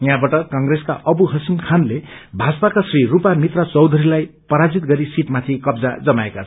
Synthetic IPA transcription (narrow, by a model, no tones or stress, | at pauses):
jɦãbaʈʌkʌŋreska̰ʔʌbuɦʌsimkʰanlebʱad͡zpakasrirupamit̪rʌt͡sʌwd̪ʱʌɾilajpʌɾad͡zit̪̚ɡʌɾisiʈmat̪ʰikʌbd͡za̰d͡zʌmaekat͡sʰ